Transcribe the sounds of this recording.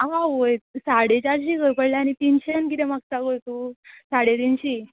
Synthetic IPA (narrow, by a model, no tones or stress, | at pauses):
aʋãʋojsaɽet͡ɕaɾɕikəjpəɽlaañit̪inɕənkit̪emak̚sakəɾt̪usaɽet̪inɕiː